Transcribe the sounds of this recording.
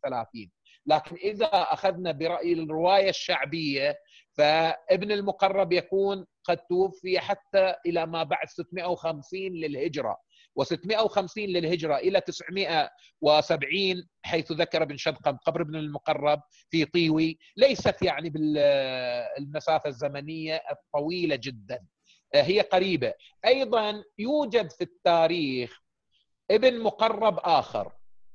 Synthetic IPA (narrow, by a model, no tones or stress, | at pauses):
θalaːθiːn | laːkɪnʔɪðaʔaxaðnabɪɾˤɑʔjɪrɪwaːjaʃːaʕbɪjːa | faʔɪbnɪlmʊqɑrˤːɑbjakuːn | qɑd̪̚t̪ʊwʊfːɪjaħat̪ːaʔɪlamabaʕd̪sɪt̪ːmɪʔawxamsiːnlɪlhɪd͡ʒɾˤɑ̰ | wɪsɪt̪ːmɪʔawxamsiːnlɪlhɪd͡ʒɾˤɑʔɪlat̪ɪsʕmɪʔa | wɪsabʕiːn | ħajːθðakɑɾˤʔɪbɪnʃɑd̪qɑmqɑbɾɪbnɪlmʊqɑrˤːɑb̚ | fit̪ˤiːwi | lajsat̪jaʕnibɪl | lmasaːfazːamanɪjːat̪ˤːɑwiːlad͡ʒɪd̪ːan | ɦɪjːaqaɾiːba | ʔɑjðˤɑnjuːd͡ʒad̪fit̪ːaːɾiːx | ʔɪbnmʊqɑrˤːɑbʔaːxɪ̰ɾ